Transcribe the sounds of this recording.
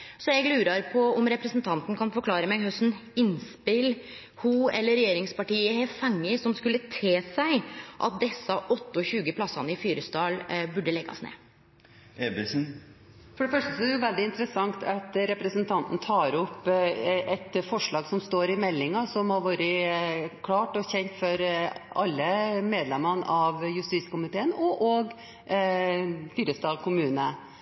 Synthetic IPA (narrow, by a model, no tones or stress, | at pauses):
sɔjɛɡlʉːɾɑɾpʰɔɔmɾɛpɾəsnt̪ʰɑnt̪n̩kʰɑnfɔɾkʰlɑːɾəmɛɡhœsn̩ɪnspɪl | huɛlːəɾːɛjeːɾɪŋspɑʈiːəhɛfɑŋːəsɔmskʉlːət̪ʰeːsæɪʔɑ̰t̪̚d̪ɛsːɑʔɔt̪ːəɔçʉːɡəpʰlɑsɑnəɪfyːɾəst̪ɑːlbʉɖːəlɛɡːɑ̰snḛː | ebɪsn̩ | fɔɖɛfœʂʈəsɔɛɛjʊʋɛld̪ɪɪnt̪əɾəsɑŋt̪ʰɑt̪ɾɛpɾəsənt̪ʰɑnt̪n̩t̪ʰɑːɾɔpː | ɛt̪fɔʂɭɑːɡsɔmst̪oːɾɪmɛlːɪŋɑsɔmhɑɾʋɑːɾəkʰlɑːʈɔçɛnt̪fɔɾʔɑlːəmeːd̪lɛmənɑʋjʉst̪iːskʊmɪt̪ʰeːənɔʔoːɡ | fyːɾəst̪ɑːlkʰʊmʉːnə